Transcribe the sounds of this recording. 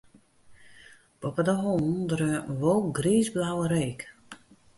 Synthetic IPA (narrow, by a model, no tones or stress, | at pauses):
b̥ɔpədəɦondɾəʋolˠɡriːzblawəɾeːk